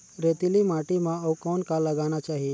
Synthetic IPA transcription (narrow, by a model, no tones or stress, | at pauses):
ɾet̪ilimaʈimãəwkɔnkaləɡanat͡ʃaɦie